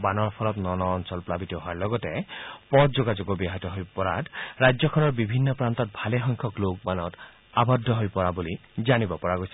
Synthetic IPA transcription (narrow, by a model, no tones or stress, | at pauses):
banɔɹpʰɔlɔt̪nɔnɔːnsɔlplabit̪ɔɦɔaɹlɔɡɔtepɔtd͡ʒoɡad͡ʒoɡɔbiɦatɔɦojpɔɹa̰tɾajd͡ʒɔkʰɔnɔɹbibʱinːɔpɹant̪ɔt̪̚bʱaleɦɔŋkʰɔklok̚banɔt | abɔd̪ʱːɔɦojpɔɹabulid͡ʒanibɔpɔɹaɡojsʰi̥